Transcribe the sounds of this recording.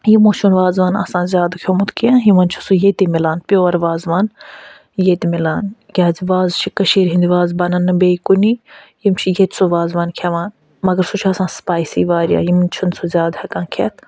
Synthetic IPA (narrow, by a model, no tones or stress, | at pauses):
jimõːt͡ʃʰunʋaːzʋaːnɐ̰sãːnzʲjaːd̪kʰʲomut̪kiãːnɦimɐnt͡ʃʰu̥sujet̪imilaːnpʲjoːɾʋaːzʋaːn | jet̪imilaːnjʲaːziʋaːzt͡ʃʰikɐʃiːɾɦind̪iʋaːzbɐnɐnːɨbeːikuni | jimt͡ʃʰijet̪ʲʰsoʋaːzʋaːnkʰɐʋaːn | mɐɡɐɾsut͡ʃʰiɐsãːspaːjsḭːʋaːɾja̰ːjimɐnt͡ʃʰunsʰozʲaːd̪hɐkãːnkʰet̪ʰ